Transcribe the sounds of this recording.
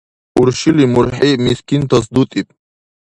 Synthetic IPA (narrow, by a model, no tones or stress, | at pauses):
uɾʃilimuɾħimiskʰʲint̪ʰas̬d̪ut̪ʼipʼ